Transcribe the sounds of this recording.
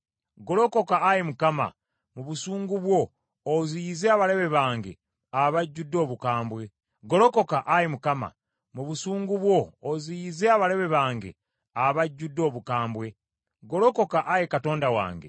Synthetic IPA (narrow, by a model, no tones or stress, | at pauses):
ɡo̞lo̞ko̞kaːjemukama̰ | muβusuːŋɡuβwo̞ː | zijize̞aβale̞βe̞βaːŋɡe̞̰ | aβaɟːudːo̞ːβukaːmbwe̞ | ɡo̞lo̞ko̞kaʔajemukama̰ | muβusuːŋɡuβwo̞ːzijize̞aβale̞βe̞βaːŋɡe̞̰ | aβaɟːudːo̞ːβukaːmbwe̞ | ɡo̞lo̞ko̞kaʔajekato̞ːndawa̰ːŋɡe̞̰